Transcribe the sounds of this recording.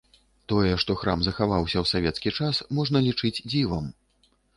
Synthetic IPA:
t̪ɔjɛʂt̪ɔxɾamzɐxavawsʲɐwsavʲɛt̪skʲit͡ʂasmɔʐnɐlʲit͡ʂɨd͡zʲd͡zʲivɐm

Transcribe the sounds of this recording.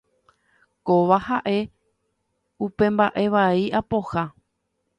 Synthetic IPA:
koʋahaʔe̞ | upẽ̞mbaʔe̞ʋaiʔapo̞ha

